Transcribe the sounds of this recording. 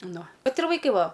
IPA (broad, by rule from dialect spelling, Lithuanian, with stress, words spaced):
ˈnʊ ˈʋɐt ɪr ʋɐɪˈkɐɪ ˈʋɐ